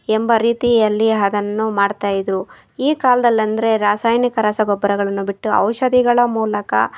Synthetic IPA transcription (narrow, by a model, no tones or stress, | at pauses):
embɐɾiːt̪iɐlːiɐd̪ɐnːumaːɖt̪aːjid̪ɾu | iːkaːlɐd̪ɐlːɐnd̪ɐɾe̞ɾaːsaːjnikɐɾɐsɐɡɔbːɐɾɐɡɐɭɐnːubiʈːuɐ̰wʃɐd̪iɡɐɭɐmuːlɐkɐ̰